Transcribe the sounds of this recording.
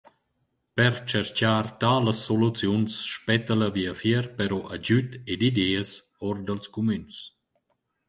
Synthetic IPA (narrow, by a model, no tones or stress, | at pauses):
pɛɾt͡ʃɛɾt͡ʃaːrt̪aːləsːolut͡sjunsʃpɛt̪ələviəfjɛɾpɛɾɔʔad͡ʒyt̪ed̪id̪ɛːəs | ɔɾd̪əlskumyns